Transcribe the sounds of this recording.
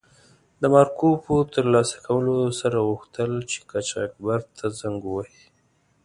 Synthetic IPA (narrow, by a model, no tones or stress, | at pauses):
d̪əmɑɾkopot̪əɾlɑsḁkʰawəlosaɾaɣuxt̪əlt͡ʃe̥kat͡ʃa̰k̚baɾt̪ʰazaŋɡuwahi